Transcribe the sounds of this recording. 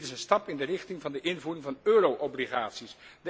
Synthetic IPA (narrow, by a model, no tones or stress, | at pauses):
tɪsənstɑpɪndərɪχtɪŋvɑndəʔɪnvuːrɪŋvɑnøːrowʔɔbliχaːtsisdə